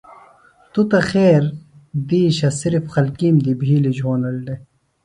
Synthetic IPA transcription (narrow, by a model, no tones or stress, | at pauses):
t̪ut̪ɐxeːɾd̪iːɕɐsiɾifxɐlkiːmd̪ibʱiːlid͡ʑʱoːnɐlɖe